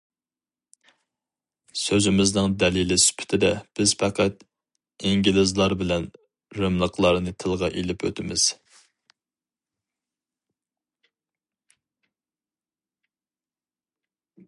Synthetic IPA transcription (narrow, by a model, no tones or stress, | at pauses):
søzɪmɪznɨŋd̪ɛlilɪsy̥pʰɪ̥t̪ʰɪd̪ɛb̥ɪz̥pʰæqʰæt̪ | iŋɡʲilɪzlˠɑɾbɪlɛn | ɾømlˠəqlˠɑɾnɨt̪ʰɨlˠʁɑʔelɪpʰø̰t̪ʰɪmɪz̥